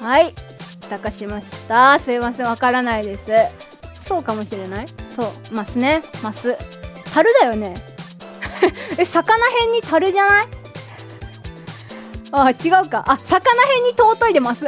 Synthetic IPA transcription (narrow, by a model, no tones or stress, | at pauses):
hait̪akaɕimaɕi̥t̪aseːβaseβakaɾanaid̪e̞sɨ | so̞ːkamo̞ɕiɾe̞naiso̞ː | masɨne̞masɨt̪ʰaɾɯ̟d̪ajo̞ne̞ | esakanaɦẽ̞ɲ̟ːit̪aɾɯ̟ʑanai | aːt͡ɕiɡaɯ̟kaʔasakanaɦẽ̞ɲ̟ːit̪o̞ːt̪o̞id̪e̞masɨ